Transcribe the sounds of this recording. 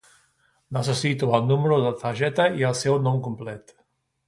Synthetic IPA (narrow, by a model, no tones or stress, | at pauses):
nasasit̪ualnuməɾoðət̪aʒɛt̪aialsewnɔmkumplɛt̪